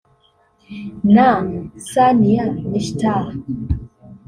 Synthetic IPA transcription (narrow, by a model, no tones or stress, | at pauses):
naŋsanijaniʃta